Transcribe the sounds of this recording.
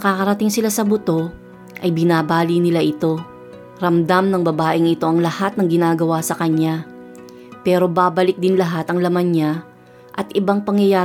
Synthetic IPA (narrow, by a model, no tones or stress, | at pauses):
ɐkaːkɐɾɐt̪ɪŋsɪlasɐbʊt̪o̞ | ʔɐjbɪnaːbaːlinɪlaʔɪt̪o̞ | ɾɐmd̪amnɐŋbɐbaːʔɪŋɪt̪o̞ʔɐŋlɐhat̪̚nɐŋɡɪnaːɡɐwasɐkɐɲa | pɛːɾo̞baːbɐlɪk̚d̪ɪnlɐɦat̪ɐŋlɐmanɲa | ʔɐt̪ʔɪbaŋpɐŋjɐjaː